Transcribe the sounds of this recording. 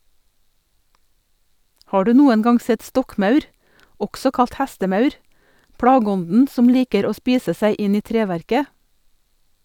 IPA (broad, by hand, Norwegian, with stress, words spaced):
ˈhɑː ˈɖʉː ˈnuːən ˈɡɑŋ ˈsɛt ˈstɔkˌmɑʉɾ ˈɔɡsɔ ˈkɑlt ˈhæstəˌmɑʉɾ ˈpɽɑːɡəˌɔndn ˈsɔm ˈliːkəɾ ˈoː ˈspiːsə ˈsæɪ ˈʔɪn ˈiː ˈtɾeːˌʋæɾkə